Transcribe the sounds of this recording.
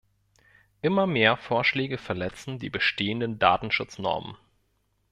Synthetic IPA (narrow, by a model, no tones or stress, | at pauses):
ʔɪmɐmeːɐfoːɐʃlɛːɡəfɛɐlɛt͡sn̩dḭːbəʃteːəndənda̰ːtn̩ʃʊt͡snɔ̰ɐmə̰n